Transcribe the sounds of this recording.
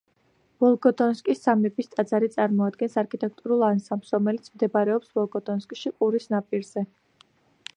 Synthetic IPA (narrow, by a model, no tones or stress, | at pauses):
b̥ɔlˠɡʼɔd̪ʼɔnskʼissamlɛbist̪ʼad̪zaɾit̪sʼaɾmɔad̪̚ɡɛnsaɾkʰit̪ʼɛk̚ʰt̪ʼuɾulˠansamsɾɔmɛlit̪sʰmd̪ɛbaɾɛɔpsbɔlˠɡʼɔd̪ʼɔnskʼʃiqʼuɾisnapʼiɾz̥ɛ